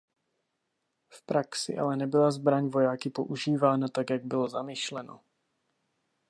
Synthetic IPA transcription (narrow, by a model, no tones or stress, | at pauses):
fpɾaksɪ̰ʔa̰lɛnɛbɪlazbɾaɲvo̞jaːkɪpo̞ʔuʒiːvaːnat̪akjaɡ̚bɪlo̞zamɪʃlɛno̞̰